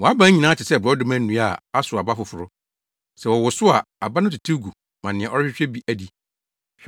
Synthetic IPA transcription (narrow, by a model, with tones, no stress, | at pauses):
wɔ˨a˦bã˦ɲĩ˨nãː˨˦t͡ɕʰɪ˨sɛ˦˨bɔ˦dʊ˦mæ̃˦nũ˦a˨a˦sʊ˨a˨ba˦fʊ˨fʊ˨ɾʊ˦ | sɛ˨wɔ˨wɔ˨sʊ˦a˨a˨ba˦nʊ̃˦tʰu˨tʰi˦ɡu˨ | mã˨nɪ̃˨ɛ̃˨ʔɔ˦ɾɪ˦ɪ˦t͡ɕᶣɛ˦bi˦ʔæ˦di˨